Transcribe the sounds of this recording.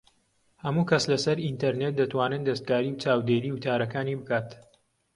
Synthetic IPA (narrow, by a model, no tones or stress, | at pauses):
hɐmuːkɐslɐsɐɾint̪ɐɾnet̪̚d̪ɐt̪waːnɨnd̪ɐst̪̚ɡaːɾiːwt͡ʃaːwd̪eːɾiːwʊt̪ʰaːɾɐkaːniːbɨkaːt̪